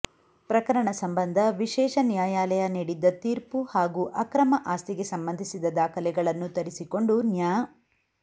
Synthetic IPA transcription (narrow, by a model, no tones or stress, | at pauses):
pɾɐkɐɾɐɳɐsɐmbɐnd̪ʱɐʋiʃɛːʃɐnjaːjaːlɐjɐniːɽid̪ːɐt̪iːɾpuhaːɡuʔɐkɾɐmɐʔaːst̪iɡe̞sɐmbɐnd̪ʱisid̪ɐd̪aːkʰɐlɛɡɐɭɐnːut̪ɐɾisiko̞ɳɖunjaː